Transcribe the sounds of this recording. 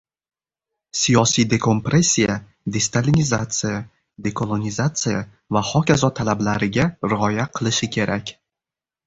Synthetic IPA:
sijɒsijd̪e̞kʰo̞mpɾe̞sʲːija | d̪e̞st̪alʲinizat̪sɨja | d̪e̞kʰolˠonʲizat̪sɨja | vaχɒkʲazɒt̪ʰalablaɾɪɡʲaɾɪɒjaqʰɨlˠɪʃɪkʲʰe̞ɾʔakʲ

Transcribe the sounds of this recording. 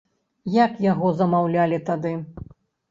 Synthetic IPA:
jakjaɣɔzɐmawlʲalʲit̪ad̪ɨ

